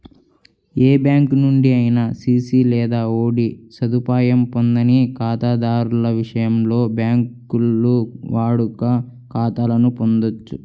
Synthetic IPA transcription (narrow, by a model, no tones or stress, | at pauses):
eːbjaːŋkunuɳɖiɐjinɐsiːsiːlɛːd̪aːo̞ːɽisɐd̪upaːjɐmpo̞nd̪ɐnikaːt̪aːd̪aːɾulɐʋiʂɐjɐmlo̞ːbjaːŋkulːuʋaːɽukɐ | kaːt̪aːlɐnupo̞nd̪ot͡ʃːu